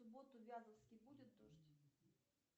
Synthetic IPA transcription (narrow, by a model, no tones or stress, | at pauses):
sʊbo̞t̪ʊvʲazəfskʲɪjbudʲɪt̪̚d̪oʐtʲ